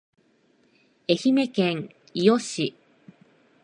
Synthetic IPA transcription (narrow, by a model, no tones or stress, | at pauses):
e̞çime̞kẽŋ | ijoɕi